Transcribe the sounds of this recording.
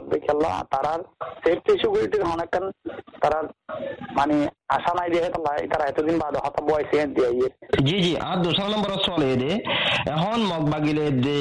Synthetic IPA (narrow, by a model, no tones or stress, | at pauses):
d̪ekʰialːa̰t̪aɾaɾseɾt̪iʃuɡuɾiʈiɾɦɔnɛkːant̪aɾaɾmania̰ʃanajd̪iaɦet̪alːa̰t̪aɾaɛt̪od̪inbad̪ɔɦɔt̪abɔajseãd̪iaɦjeɾd͡ʑid͡ʑiʔã̰t̪d̪uʃaɾanɔmbɔɾɔslejed̪eɛɦɔnmɔɡ̚baɡiled̪e